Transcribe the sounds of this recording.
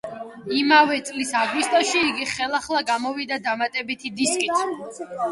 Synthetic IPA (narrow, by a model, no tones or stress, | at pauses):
imavɛt̪sʼlisaɡwist̪ʼɔʃiːɡiχɛlˠaχlˠaɡamɔvid̪ad̪amat̪ʼɛbit̪ʰid̪iskʼit̪ʰ